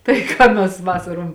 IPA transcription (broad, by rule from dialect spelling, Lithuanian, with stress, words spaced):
tɐɪ ˈkɑː mʲɛs ˈʋɑːsɐroːm